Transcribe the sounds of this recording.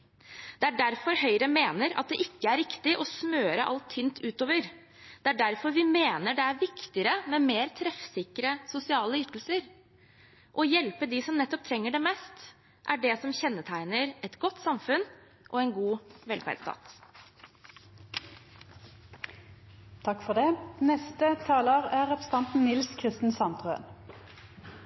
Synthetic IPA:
d̪̥ɛæɖæɾfɔɾɦœʏɾəmeːnəɾɑt̪̚d̪ɛʔɪkːəæɾːɪkt̪ɪʔɔsmøːɾəʔɑ̰lt̪ʰːyːnt̪ʰʉːt̪oːʋəɾ | d̪̥ɛæɖæɾfɔɾʋɪmeːnəɖɛæɾʋɪkt̪ɪəɾəmɛmeːɾt̪ʰɾɛfsɪkɾəsʊsɪɑːləʏt̪l̩səɾ | ʔɔjɛlpəd̪ɪsɔmnɛt̪ːɔp̚t̪ʰɾɛŋːəɖɛmɛːst̪ | ʔæɖɛsɔmçɛnːət̪ʰæɪnəɾɛt̪ɡɔt̪ːsɑmfʉn | ʔɔɛnɡuːʋɛlfæ̰d̪st̪ʰɑ̰ːt̪ | t̪ʰɑkfɔd̪ɛnɛst̪ət̪ʰɑːləʁæʁɛpʰʁst̪ɑnt̪n̩nɪlskʰʁɪst̪n̩sɑnt̪ʁøə̰n

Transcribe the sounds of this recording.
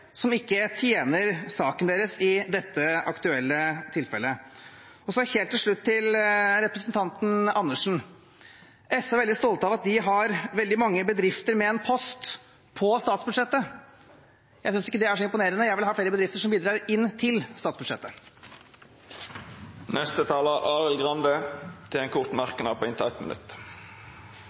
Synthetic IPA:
sɔmɪkːət̪ʰjeːnəɾsɑːkənd̪eːɾəsɪd̪ɛt̪ːəɑkt̪ʉɛlːət̪ʰɪlfɛlːə | ɔsɔæɾheːlt̪ːɪlʂɭʉt̪ʰːɪlɾɛpɾəsənt̪ʰɑnt̪n̩ɑnːəʂn̩ | ɛsɔʋɛld̪ɪst̪ɔlt̪əɑʋɑt̪̚d̪ɪɦɑɾʋɛld̪ɪmɑŋːəbəd̪ɾɪft̪əɾmɛɛnpʰɔst̪ | pʰɔst̪ɑːt̪sbʉd̪ʂɛt̪ːə | jæɪsʏnsɪkːəd̪ɛæʂɔɪmpʊneːɾənəjæɪʋɪlhɑːfleːɾəbəd̪ɾɪft̪əʂɔmbiːd̪ɾɑːɾɪnːt̪ʰɪlst̪ɑːt̪sbʉd̪ʂɛ̰t̪ːə | nɛst̪ət̪ʰɑːləʔɑːʁəlɡʁɑnd̪ət̪ʰɪlɛnkʰʊʁt̪mɑʁkənɑ̰pʰɔɪnt̪ʰɪt̪mə̰nʉ̰t̪

